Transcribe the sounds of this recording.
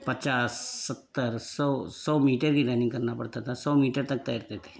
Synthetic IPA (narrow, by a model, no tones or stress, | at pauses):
pət͡ʃaːsːət̪ːəɾsɔːsɔːmiːʈəɾkiɾɛːnɪ̃ŋɡkəɾnapəɽt̪at̪ʰasɔːmiːʈəɾt̪ək̚t̪aːɾt̪eːt̪ʰe̥ː